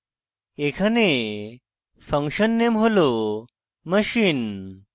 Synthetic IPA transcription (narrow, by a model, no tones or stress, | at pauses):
ekʰane | fəŋkʂənːemɦolo | məɕiːn